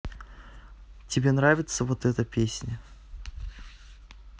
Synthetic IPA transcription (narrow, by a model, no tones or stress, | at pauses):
tʲɪbʲe̞nɾavʲɪt̪səvot̪ɛt̪əpʲesʲnʲə